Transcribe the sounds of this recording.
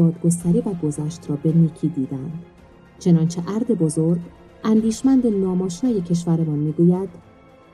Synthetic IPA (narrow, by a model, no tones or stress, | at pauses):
ɒːd̪ɡo̞s̬t̪æɾiːvæɡo̞zæːʃt̪ɾɒːbe̞niːcʰiːd̪iːd̪ænd̪̥ | t͡ʃʰe̞nɒːnt͡ʃʰe̞ʔæɾd̪e̞bo̞zo̞ɾɡ | ʔænd̪iːʃmænd̪enɒːmɒːʃnɒːje̞cʰe̞ʃ̬væɾemɒːnmiːɡuːjæd̪̥